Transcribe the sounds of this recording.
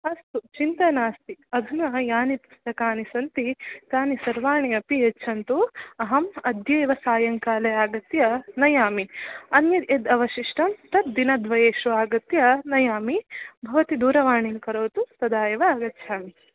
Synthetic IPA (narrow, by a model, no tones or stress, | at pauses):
ɐst̪ut͡ʃint̪ɐnaːst̪iɐd̪ʱunɐjaːnipust̪ɐkaːnisɐnt̪it̪aːnisɐɾʋaːɳiɐpietːt͡ʃʰɐnt̪uɐɦɐmɐd̪ʱjeːʋɐsaːjɐŋkaːlɐjaːɡɐt̪jɐnɐjaːmiɐnjɐed̪ɐʋɐʃiʂʈɐmt̪ɐt̪̚d̪inɐd̪ʋɐjeːʃuaːɡɐt̪jɐnɐjaːmibʱɐʋɐt̪id̪uːɾɐʋaːɳinkɐɾoːt̪ut̪ɐd̪aːjɐʋɐːɡɐt̪ːʃʰaːmi